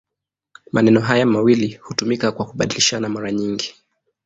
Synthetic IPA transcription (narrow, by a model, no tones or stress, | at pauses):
manɛnɔɦajamawilihutumikakwakuɓaɗiliʃanamaɾaɲiŋɡi